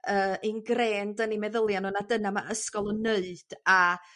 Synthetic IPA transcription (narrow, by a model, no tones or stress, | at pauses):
əːʔinɡreːndənimɛðəlˠjanunadənamaʔəskɔlˠɔnəɨd̥a